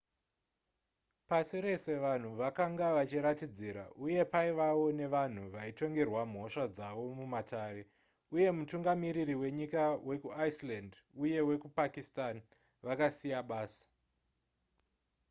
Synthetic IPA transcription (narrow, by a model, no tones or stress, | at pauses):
pasiɾe̞se̞ʋan̤uʋakaŋɡaʋat͡ʃiɾatid͡ziɾa̰ʔuje̞paiʋawo̞ne̞ʋan̤uʋaito̞ŋɡe̞rwam̤o̞ʃad͡zaʋo̞mumataːre̞ | uje̞mutuŋɡamiɾiɾiwe̞ɲikawe̞kuaislanduje̞we̞kupakistan | ʋakasijaɓaːsḁ